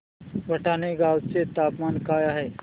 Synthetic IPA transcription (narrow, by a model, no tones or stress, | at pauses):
ʋɐʈaːneɡaːwt͡set̪aːpmaːnkaːjaːɦe